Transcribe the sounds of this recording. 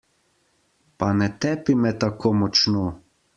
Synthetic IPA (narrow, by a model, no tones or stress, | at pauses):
panɛt̪ɛpimɛt̪akʰoːmɔt͡ʃno